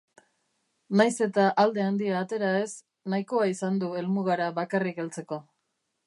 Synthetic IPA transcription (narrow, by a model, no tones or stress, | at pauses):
najse̞t̪aʔald̪e̞and̪iaːt̪e̞ɾae̞s | najko̞aisand̪ue̞lmuɣaɾaβakarike̞lt͡se̞ko̞